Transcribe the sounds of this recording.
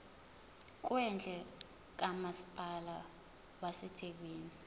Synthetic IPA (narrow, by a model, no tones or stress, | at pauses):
k̬wɛnd͡ɮʱʼɛ | k̬amasi̥pʼala | wasɛtʰek̬wiːni